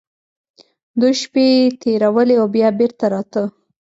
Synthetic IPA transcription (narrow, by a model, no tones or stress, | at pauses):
d̪ujʃpet̪ʰeɾawəleawbjɑbeɾt̪aɾɑt̪ə